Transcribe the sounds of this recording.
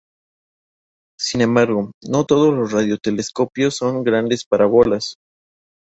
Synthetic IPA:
sinẽ̞mbaɾɣo̞no̞t̪o̞ð̞o̞zlo̞srað̞jo̞t̪e̞le̞sko̞pjo̞sːo̞ŋɡɾand̪e̞spaɾaβo̞las

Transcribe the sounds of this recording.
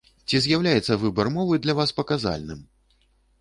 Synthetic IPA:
t͡sʲizʲjawlʲajɛt̪sːɐvɨbɐrmɔvɨd̪lʲɐvaspɐkaza̰lʲnɨm

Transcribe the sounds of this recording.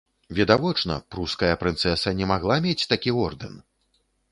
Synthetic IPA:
vʲɛd̪avɔt͡ʂnɐ̰pɾuskɐjɐpɾɨnt̪sɛsɐnʲɛmaɣlˠamʲet͡sʲt̪akʲiɔrd̪ɨn

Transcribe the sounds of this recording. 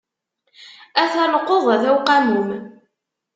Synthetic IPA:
æθælqːoðˤæðæwqæmum

